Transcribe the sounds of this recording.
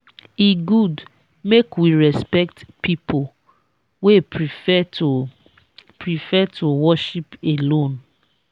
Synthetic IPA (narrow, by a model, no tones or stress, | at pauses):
iɡud | mekwiɹɛspɛk̚tpʰipʰo | we | pɹifɛtʰowɔʃipelõn